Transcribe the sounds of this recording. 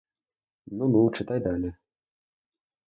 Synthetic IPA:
nunuwt͡ʂɨt̪ajd̪alʲɛ

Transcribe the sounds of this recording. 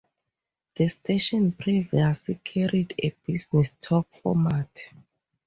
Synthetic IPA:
ð̥əstʰeʃɔ̃npʰɹiviaslikʰaɹideb̥isnɛstʰɔk̚fɔ̰mat

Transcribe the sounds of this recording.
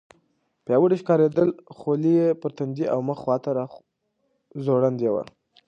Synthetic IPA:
pjɑwəɽiʃkɑɾed̪əlxolijepəɾt̪and̪iʔa̰wməxxwɑt̪aɾɑ | zoɽand̪jewa̰

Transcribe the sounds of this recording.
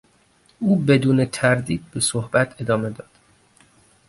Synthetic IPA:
ʔuːbe̞d̪uːnet̪ʰæɾd̪iːd̪̚be̞sohbæt̪ʰe̞d̪ɒːme̞d̪ɒːd̪̥

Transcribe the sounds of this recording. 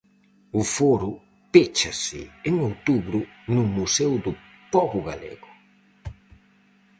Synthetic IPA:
ʊfoɾʊ | pet͡ʃasɪ̰eŋowt̪uβɾʊnʊmusɛwd̪ʊ | pɔβʊɣa̰lḛɣʊ

